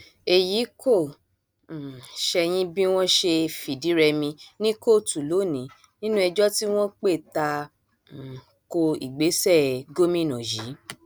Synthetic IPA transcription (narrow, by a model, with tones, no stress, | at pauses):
e˨ji˨˦kʰõ˦˨ | ʃɛ˧j̃ĩ˦bĩ˦w̃ɔ̃˦ʃe˧fi˨di˨˦ɾɛ˧mĩ˧nĩ˦ko˦˨tu˨lo˨˦˨nĩ˨˦ | nĩ˦nũ˦ɛ˧d͡ʒɔ˦ti˦w̃ɔ̃˦k͡pe˦˨ta˧˨ | ko˧ḭ˨ɡ͡be˨˦sɛ˦˨ɡo˦mĩ˦nɔ̃˨ji˨˦